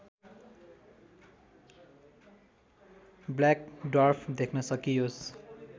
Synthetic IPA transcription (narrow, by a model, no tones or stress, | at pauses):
blakɖʌrpʰd̪ekʰnʌsʌkijos